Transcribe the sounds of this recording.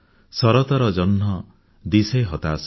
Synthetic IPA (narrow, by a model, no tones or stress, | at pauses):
sɔɾɔt̪ɔɾɔd͡ʒɔnɦɔ | d̪iseɦɔt̪as